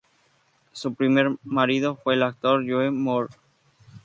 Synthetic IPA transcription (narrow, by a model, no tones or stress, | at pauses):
supɾimeɾmaɾiðofweːlak̚t̪oɾʝuemoɾ